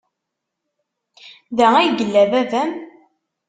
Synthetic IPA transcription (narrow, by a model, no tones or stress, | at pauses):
ðææjɡəlːævævæm